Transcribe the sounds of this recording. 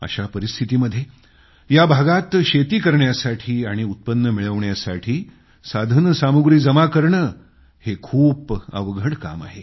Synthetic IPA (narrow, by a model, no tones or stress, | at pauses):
ə̰ɕapəɾist̪ʰit̪iːməd̪ʱːje | jabʱaɡat̪ɕet̪iːkəɾɳjasaʈʰiːaɽ̃iut̪̚pənːəmiɭəʋɳjasaʈʰiː | sad̪ʱənəsamuɡɾiːd͡zəmakəɾɳə | hekʰuːpə̰ʋɡʱəɽka̰ma̰ɦe